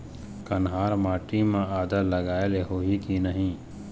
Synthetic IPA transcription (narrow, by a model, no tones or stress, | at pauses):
kɐnɦaːɾmaːʈimẽaːd̪alɐɡaːeleɦoːɦikinəɦĩː